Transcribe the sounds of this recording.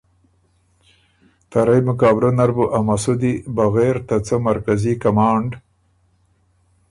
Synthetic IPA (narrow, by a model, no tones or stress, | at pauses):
t̪aɾajmʊkaːbɾonaɾbuʔamasud̪ibaɣeːɾt̪at͡səmaɾkazikamɑːɳɖ